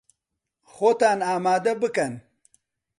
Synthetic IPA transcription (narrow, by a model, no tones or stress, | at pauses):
xot̪aːnaːmaːd̪ɐbɨkɐn